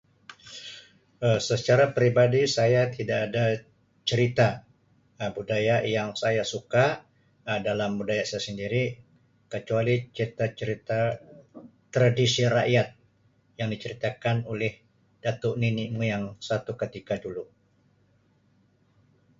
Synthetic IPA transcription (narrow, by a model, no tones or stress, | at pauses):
əsət͡ʃaɾapɾibadisajat̪idaʔːda | t͡ʃəɾit̪a | budajaʔjaŋsajasuka | dalambudajaʔsajasəndiɾi | kət͡ʃualit͡ʃəɾit̪at͡ʃəɾit̪a | t̪ɾadisira̰ʔjat̪̚ | jaŋdit͡ʃəɾit̪akanolɛh | d̥at̪uʔninimujaŋsat̪ukət̪ikadulu